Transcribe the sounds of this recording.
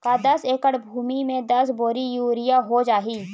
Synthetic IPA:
kaːd̪ɐseːkəɽbʱuːmimẽd̪ɐsboːɾijuːɾɪjaɦod͡ʒaːɦiː

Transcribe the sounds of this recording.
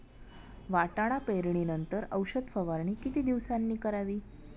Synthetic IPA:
ʋaʈaɽ̃apeɾɳ̃inənt̪əɾəwɕəd̪fəʋaɾɳ̃iːkit̪iːd̪iʋsanːiːkəɾaʋiː

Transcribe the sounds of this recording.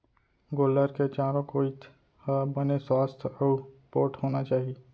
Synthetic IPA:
ɡoːləɾket͡ʃaːɾõkoɪt̪ | bəneswaːst̪ʰəpoːʈɦoːnat͡ʃaːɦieː

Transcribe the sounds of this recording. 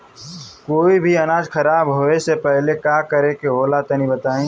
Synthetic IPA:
koːibʱiɐnaːd͡ʒkʰɐɾaːbɦoːesepɛɦlekaːkəɾekeɦoːlat̪ənĩbət̪aːĩ

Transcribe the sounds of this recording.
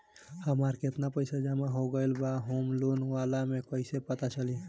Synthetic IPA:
həmaɾket̪napəɪsad͡ʒəmaɦoɡəɪlbaɦumlunʋalamẽkəɪsepət̪at͡ʃəli

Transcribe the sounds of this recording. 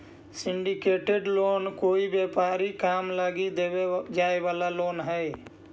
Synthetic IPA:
sɪɳɖikeːʈeɖloːnkoːibepaːɾikaːmləɡid̪eed͡ʒaːebaːlaloːnɦɛj

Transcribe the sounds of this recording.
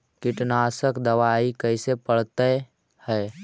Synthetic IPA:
kɪʈnaːsəkd̪əʋaːikəɪsepəɽ̤t̪e | hɛː

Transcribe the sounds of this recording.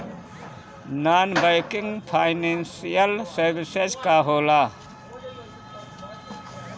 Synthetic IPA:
naːnbəjkɪŋɡpʰaɪnensijəlsəɾbised͡ʒkaɦoːla

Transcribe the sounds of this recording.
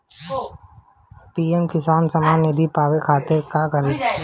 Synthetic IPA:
piːemkɪsaːnsɐmaːnːɪd̪ʱipaːʋekʰaːt̪ɪɾkakɐɾeː

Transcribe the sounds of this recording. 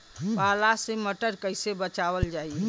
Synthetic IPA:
palaseməʈəɾkəɪsebət͡ʃaβəld͡ʒai

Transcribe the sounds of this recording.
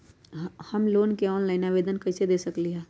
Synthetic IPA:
ɦhɐmloːnkeɔːnlaːɪnaːʋeːd̪ənkɐsed̪eːsəkliɦɛː

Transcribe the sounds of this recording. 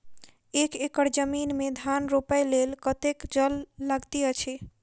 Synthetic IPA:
ekekəɾd͡ʒəminmed̪ʱanɾopəjlelkət̪ekd͡ʒəlːəɡt̪iət͡ʃʰe

